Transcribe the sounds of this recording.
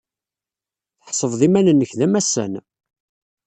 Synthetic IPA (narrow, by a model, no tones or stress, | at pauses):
θəħsˤəvðˤimænənːəçðæmæsə̰n